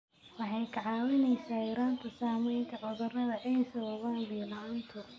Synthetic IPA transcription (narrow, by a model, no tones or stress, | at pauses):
wɑħɑjkʰɐʕɑːwɪnɛjsaːjɐɾaːnt̪ʰɐsaːmɛjŋkʰɐʕɔðɔrɐðɐʔɛjsɐwɐɣaːnbiːlant̪ʰʊ